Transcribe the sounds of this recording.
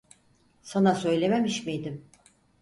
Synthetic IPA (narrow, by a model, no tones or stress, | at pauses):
sanasø̞jlʲe̞memiʃmijd̪ɪm